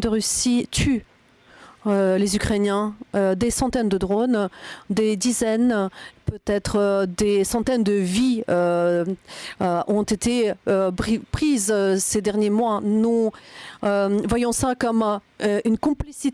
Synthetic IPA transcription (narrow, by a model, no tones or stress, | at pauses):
d̪əʁysit̪ʰy | ølezykχenjɛ̃ød̪esɑ̃t̪ɛnd̪əd̪ʁond̪ed̪izɛnpøt̪ɛt̪χəd̪esɑ̃t̪ɛnd̪əviø | ʔɔ̃t̪et̪eøpχizsed̪ɛʁnjemwanu | øvwajɔ̃sakɔm | ynkɔ̃plisi